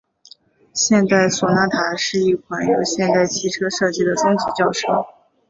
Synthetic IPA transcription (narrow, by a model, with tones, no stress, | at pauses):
ɕjɛ˥˧nt̪a˥˩ɪswɔ˨˩na˥t̪ʰa˧˥ʂɻ̩˥˧i˥˩kʰwa˧˩˥njo˧˩ʊɕjɛ˥˧nt̪a˥˩ɪt͡ɕʰi˧˥ʈ͡ʂʰɤ˥ʂɤ˥˩t͡ɕi˥d̪ə˨t͡sə˥ŋt͡ɕi˧˥t͡ɕjɑ˥˧ʊʂɤ˥˩ʊ